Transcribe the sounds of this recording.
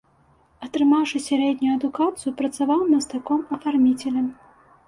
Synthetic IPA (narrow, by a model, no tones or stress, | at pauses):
ɐt̪ɾɨmawʂɨsʲaɾɛd̪ʲnʲujuɐd̪ukat̪sɨjupɾɐt̪savawmʲɐst̪akɔmɐfarmʲit͡sʲɛlʲɛm